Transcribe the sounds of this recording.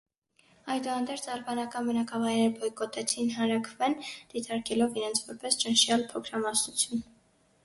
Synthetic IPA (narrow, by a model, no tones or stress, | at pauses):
ɑjd̪uhɑnd̪ɛɾt͡sʰɑɾbɑnɑkɑnbənɑkɑvɑjɾɛɾbɔjkɔt̪ɛt͡sʰinɦɑnɾɑkʰvɛnd̪̥it̪ɑɾkɛlɔviɾɛnt͡sʰvɔɾpɛst͡ʃənʃjɑlpʰɔkʰɾɑmɑsnut͡sʰjun